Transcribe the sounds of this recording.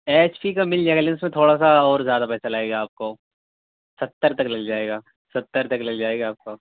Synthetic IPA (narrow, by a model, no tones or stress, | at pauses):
eːt͡ʃpʰikamɪld͡ʒaɛːɡlɪnsmẽt̪ʰoːɽas̬aɔːɾzjaːd̪apɛːsalaːeːɡaːp̚koː | sɐt̪ːəɾt̪ɐklɐld͡ʒaːeːɡaː | sɐt̪ːəɾt̪ɐklɐld͡ʒaːeːɡaːp̚ko